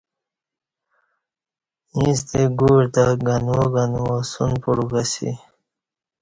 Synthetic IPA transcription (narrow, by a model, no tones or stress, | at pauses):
nis̬t̪eɡuːɾt̪aɡanwoɡanwosṵnpuɽuɡasḭ